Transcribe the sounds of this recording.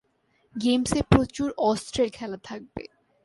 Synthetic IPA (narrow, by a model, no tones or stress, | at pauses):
ɡemsepɾot͡ɕuɾɔstɾelkʰɛlat̪ʰak̚bḛ